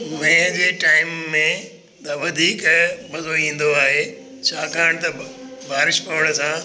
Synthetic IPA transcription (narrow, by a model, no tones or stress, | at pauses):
ʋɛ̃d͡ʑeːʈaːɪmːẽ | t̪ɐʋɐd̪ʱiːkbɐzoĩːn̆d̪oaːɦeː | t͡ɕʰaːkʰaːɽ̃t̪ɐbʱaːɾɪʃpɐʋəɽ̃̆sãː